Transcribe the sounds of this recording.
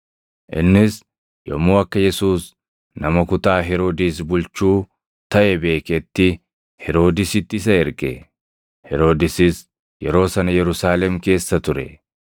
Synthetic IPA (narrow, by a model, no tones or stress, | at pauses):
ʔɪ̰nːɪs | jɔ̰muːɐkːɐjɛsuːs | nɐmɐkʊt̪aːɦɛɾo̞ːd̪iːs̬bʊlt͡ʃuː | t̪ɐʔɛbe̞ːkɛt̪ːɪ | hɛɾo̞ːd̪ɪsɪt̪ːɪɪs̬ɐɛɾkʼɛ̰ | hɛɾo̞ːd̪ɪsɪs | jɛɾo̞ːsɐnɐjɛɾʊsaːlɛmke̞ːsːɐt̪ʊɾɛ̰